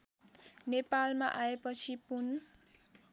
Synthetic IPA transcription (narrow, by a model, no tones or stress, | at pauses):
nepalmaʔaepʌt͡sʰipun